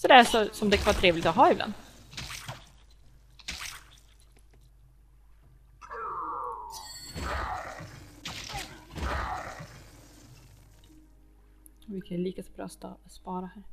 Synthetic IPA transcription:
sɔd̪ɛæʂɔsɔmd̪ɛkʰanvɑːʈ̪ʰɾeːvlɪt̪ɔɦɑːɪbla̰nd̪ | vɪkʰanliːkasɔbɾɑ̰ːst̪ːspɑːɾahæːɾ

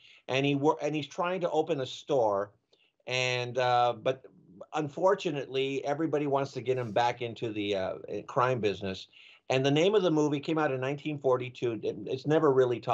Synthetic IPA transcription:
ʔɨ̃niwəʔɨ̃niz̥tʰɹ̥aɪɪ̃ŋtʰəʔoʊpɨ̃nɨstɔɹ | ɨ̃nʌbʌɾ | ə̃ɱfɔɹt͡ʃɨnɨtˡliɛvɹibɑɾiwɑ̃ntstʰɨɡɛt̚hɨ̃mbækɪ̃ntʰʉðiʌ̰ɪ̰kʰɹ̥ãɪ̃mbɪznɨs | ɨ̃nðɨnẽɪ̃mʌvðəmuvikʰẽɪ̃maʊɾɨ̃nãɪ̃ntʰĩnfɔɹɾitʰʉɪtsnɛvə˞ɹɪlˠitʰɔ

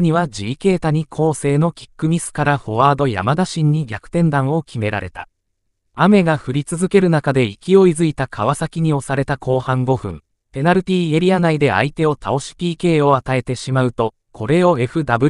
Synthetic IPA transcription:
ɲ̟iβad͡ʑiːke̞ːt̪aɲ̟ikʰo̞ːse̞ːno̞kʲi̥kːɯ̟mʲisɨ̥kaɾaɸo̞βaːd̪o̞ja̰mad̪aɕĩɲ̟ːiɡʲakɯ̟̥t̪ẽ̞nd̪ãɰ̃o̞kʲime̞ɾa̰ɾe̞t̪ḁ | ame̞ɡaɸɯ̟ɾʲit͡sɨzɨke̞ɾɯ̟nakad̪e̞ikʲio̞izɨit̪akʰaβasakʲiɲ̟io̞saɾe̞t̪akʰo̞ːhãŋɡo̞ɸɯ̟̰̃ŋ | pe̞naɾɯ̟tʲiːe̞ɾʲianaid̪e̞a̰it̪e̞o̞t̪ʰao̞ɕi̥pʲiːke̞ːo̞at̪ae̞t̪e̞ɕimaɯ̟t̪o̞ | kʰo̞ɾe̞o̞e̞ɸɯ̟d̪abɯ̟

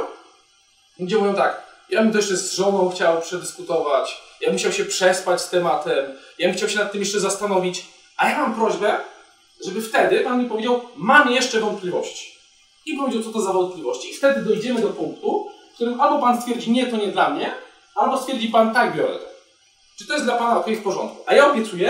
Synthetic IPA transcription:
ud͡ʑɛmuvʲjɔ̃t̪akjabmt̪ɔjɛt͡ʂɛsʐɔnɔ̃w̃xt͡ɕawpʂɛd̪ɘskut̪ɔvat͡ɕjamuɕawɕɛpʂɛspat͡ɕst̪ɛmat̪ɛmjamxt͡ɕawɕɛnat̪ːɘmjɛʂt͡ʂɛzast̪anɔvʲit͡ɕ | ʔajamampɾɔʑbɛ | ʐɛbɘft̪ɛd̪ɘpanmʲipɔvʲed͡ʑawmamjɛʂt͡ʂɛvɔnt̪̚plʲivɔɕt͡ɕi̥ | ipɔvʲed͡ʑawt̪sɔt̪ɔzavɔnt̪̚pʲlʲivɔɕt͡ɕiːft̪ɛd̪ɘd̪ɔjd͡ʑɛmɘd̪ɔpuŋkt̪ufkt̪uɾɘmalbɔpanst̪fʲjɛɾd͡ʑiɲɛt̪ɔɲɛd̪lamɲɛ | albɔst̪fʲɛɾd͡ʑipant̪aɡbʲjɔɾɛ̰t̪ɔ | t͡ʂɨt̪ɔjɛsd̪lapanaɔkɔjifpɔʐɔ̰nt̪̚ku̥ʔajaɔbʲjɛt̪sujɛ

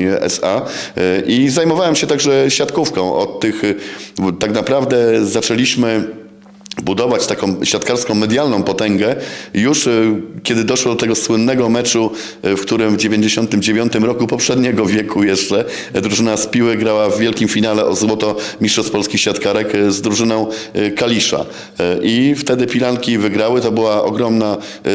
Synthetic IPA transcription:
ʔɛ̰saʔizajmɔvawɛmɕɛt̪aɡʐɛɕjat̪kufkɔ̃w̃ʔɔ̰t̪ːɘx | t̪aɡnapɾavd̪ɛzat͡ʂɛlʲiɕmɘ | bud̪ɔvat͡ɕt̪akɔ̃w̃ɕjat̪kaɾskɔ̃w̃mɛd̪ʲjalnɔ̃w̃pɔt̪ɛŋɡɛjuʂkʲɛd̪ɘd̪ɔʂwɔd̪ɔt̪ɛɡɔswɘnːɛɡɔmɛt͡ʂu | fkt̪uɾɘmvd͡ʑevʲeɲd͡ʑeɕɔnt̪ɘmd͡ʑevʲjɔnt̪ɘmɾɔkupɔpʂɛd̪ɲɛɡɔvʲjɛkʰujɛʂt͡ʂɛ | d̪ɾuʐɘnaspʲiwɘɡɾawavːʲjɛlkʲimfʲinalɛʔɔzwɔt̪ɔmʲist̪ʂɔspɔlskʲixɕfʲjat̪kaɾɛkzd̪ɾuʐɘnɔ̃w̃kalʲiʂa̰ | ʔift̪ɛd̪ɘpʲilankʲivɘɡɾawɘt̪ɔbɘwaʔɔ̰ɡɾɔmna

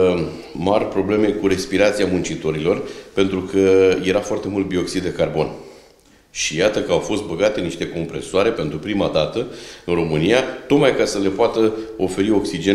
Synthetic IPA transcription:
marʲpɾo̞ble̞me̞kuɾe̞spiɾat̪siamunt͡ʃit̪o̞ɾilo̞rpe̞nt̪ɾukʰəje̞ɾafoart̪emult̪̚bio̞ksid̪ːe̞karbo̞̰n | ʃijat̪əkəawfo̞st̪̚bəɡat̪e̞niʃt̪e̞ko̞mpɾe̞soaɾe̞pe̞nt̪ɾupɾimad̪at̪əɨnro̞mɨnijat̪o̞kmajkasəle̞poat̪əo̞fe̞ɾio̞ksid͡ʒe

